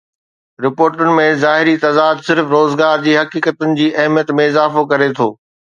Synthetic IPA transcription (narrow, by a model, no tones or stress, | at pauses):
ɾɪpoːɾʈʊnɪ̆mẽzaːɦɪɾit̪ɐd̪aːd̪sɪɾfɾoːzɡaːɾd͡ʑiːɦɐkiːkət̪ʊnɪ̆d͡ʑiːʔɐɦmjət̪mẽɪzaːfokɐɾet̪ʰo̰ː